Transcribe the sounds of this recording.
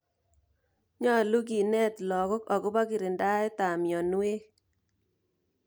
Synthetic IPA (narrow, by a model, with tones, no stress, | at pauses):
ɲɔ˦˨lu˦ɡi˨nɛ˦t̪lɔ˨kɔ˦kɔ˨ɡʊ˦ba˦kɪ˨ɾɪ˨nda˦e˦ta˨mjɔ˨n˦e˦